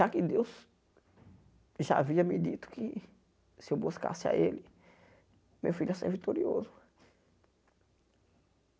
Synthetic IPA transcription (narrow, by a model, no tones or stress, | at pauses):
ʒakɪd̪ewz | ʒaaviɐmɪd̪it̪ʊ̥kɪ | sɪewbuska̰sɪa̰ʔelɪ | mewfiʎɐsḛvit̪oɾio̰zʊ